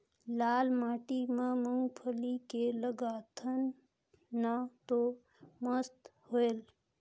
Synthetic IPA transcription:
laːlmaːʈimeməŋɡpʰəlikeləɡat̪ʰənː | at̪o | məst̪hoel

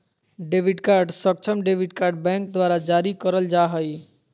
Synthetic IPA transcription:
ɖebiɖkaɾɖsək̚t͡ʃʰəmɖebiɖkaɾɖbɛ̃ŋk̚d̪ʋaɾad͡ʒaɾikəɾəld͡ʒaɦəj

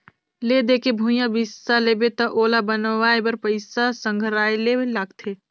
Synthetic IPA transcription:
led̪eːkebʱujãbɪsaleːbet̪aʔoːlabənʋaːebɐɾpəɪsasə̃ŋɡʱɾaːjlelaːɡt̪ʰeː

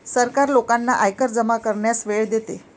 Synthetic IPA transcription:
səɾkaɾlokanːaʔajkəɾd͡zəmakəɾɳjasʋeɭd̪et̪e

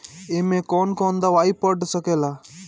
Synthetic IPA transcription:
emẽkɔnkɔnd̪aʋaipəɖsəkeːla

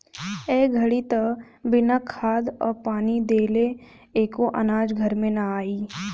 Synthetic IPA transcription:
ɛːɡʱɐɽit̪ɐ | bɪnakʰaːd̪ɔ̰ːɾpaːnid̪eːle | eːkoʔɐnaːd͡ʒɡʱɐɾmẽnɐaːiː

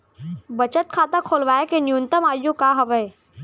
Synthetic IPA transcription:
bət͡ʃət̪̚kʰaːt̪ãkʰoːlʋaːekenjunt̪əmaːjũkaɦɐʋəː

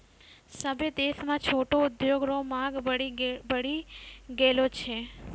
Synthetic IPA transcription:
səbʱed̪esmãt͡ʃʰoʈoʊd̪joɡɾomãɡ | bəɽiɡelot͡ʃʰe

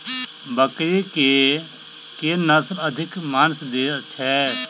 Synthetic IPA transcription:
bəkɾeke | kenəsləd̪ʱɪkmaːnsd̪eːt͡ʃʰɛː

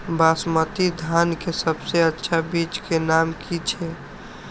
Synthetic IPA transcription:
basmət̪id̪ʱankesəbseətːʃʰabit͡ʃkenamkʰit͡ʃʰe

